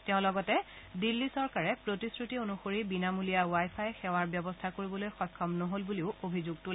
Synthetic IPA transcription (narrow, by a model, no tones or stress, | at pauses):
tɛʊ̃lɔɡɔtɛ | dilːisɔɹkaɹɛpɹotiskɹitionuxoɹibinamulijawajpʰajɛxɛwaɹbjɔbɔstʰakoɹibɔlojxɔjkʰːɔmnoɦolbuliʊʔobʱizuɡ̚tul